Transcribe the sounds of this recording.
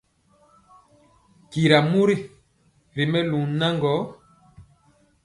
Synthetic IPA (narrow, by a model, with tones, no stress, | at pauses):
ki˨ɾa˨mu˦ɾi˦ | ɾi˨mɛ˦lu˨na˦ŋɡɔ˨˦